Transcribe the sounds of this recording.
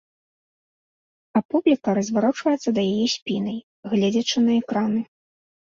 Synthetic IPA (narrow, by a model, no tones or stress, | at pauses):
apublʲikɐɾɐzʲvaɾɔt͡ʂvɐjɛt̪sːɐd̪ɐjajɛsʲpʲinɐj | ɣlʲɛd͡zʲɐt͡ʂɨnɐɛkɾanɨ